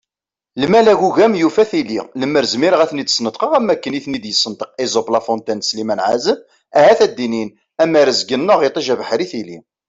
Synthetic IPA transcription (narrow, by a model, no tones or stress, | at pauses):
ləmælæʝuʝæmjufæθilḭləmːəɾzmiɾəʁæθnid̪ə̥snəd̪ˤqəʁæmːækːəniθnid̪jəsːənt̪əqezˤoplɑfont̪ænslimænʕazəm | æhæθæd̪ːinin | æmæɾəzɡənːəʁet̪ˤəʒævəħɾiθilḭ